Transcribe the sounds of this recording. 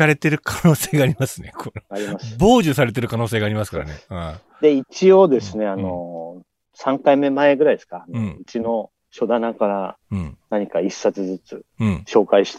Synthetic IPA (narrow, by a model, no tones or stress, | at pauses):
aɾe̞t̪e̞ɾɯ̟kʰano̞ːse̞ːɡaːɾʲimasɨne̞kʰonoaɾʲimasɨbo̞ːʑɨsaɾe̞t̪̬e̞ɾɯ̟kano̞ːse̞ːɡaːɾʲimasɨ̥ka̰ɾa̰nea | d̪e̞it͡ɕio̞d̪e̞sɨne̞ano̞ | sãŋkaime̞mae̞ɡɯ̟ɾaid̪skaːnɯõɯ̟t͡ɕino̞ | ɕo̞d̪anakaɾa | ɯ̃naɲ̟ikaisːat͡sɨzɨt͡sɨɯ̃ːɕo̞ːkaiɕi̥t̪